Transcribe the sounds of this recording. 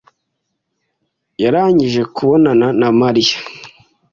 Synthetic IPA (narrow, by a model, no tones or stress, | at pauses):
jaɾaːɲiʒe̞kuβo̞nananamaɾija